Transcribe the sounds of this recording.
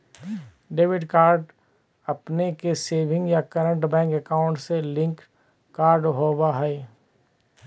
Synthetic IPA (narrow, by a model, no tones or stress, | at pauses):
ɖeːʋɪɖkaːɾɖ | ɐpnekeseːʋʱɪ̃ŋɡjakəɾə̃ɳʈbɛ̃ːŋkɛkaːʊ̃ɳʈselɪ̃ŋk | kaːɾɖɦoːbaɦɛe